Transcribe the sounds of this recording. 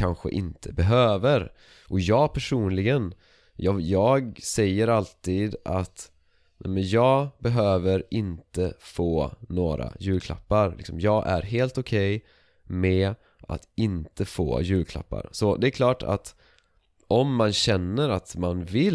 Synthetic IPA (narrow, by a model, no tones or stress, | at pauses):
kʰanɧə̰ʔɪnt̪ʰəbɛɦøːvəɾ | ʔɔjɑːɡpʰæʂuːnlɪɡən | jɑjɑːɡsɛjːəɾalt̪iːd̪ʔat̪ | nʔɛ̰mənjɑːɡbɛɦøːvəɾɪnt̪əfoːnoːɾa̰jʉ̟ːlkʰla̰pːaɾlɪ̰ksɔmjɑːɡʔæɾɦeːlt̪ʊkʰɛj | mɛ | ʔa̰t̪ɪnt̪ʰəfo̰ːjʉ̟ːlkʰla̰pːa̰ɾsɔd̪ɛækʰlɑːʈʰa̰t̪ | ʔɔmːanɕɛnːəɾat̪manvɪl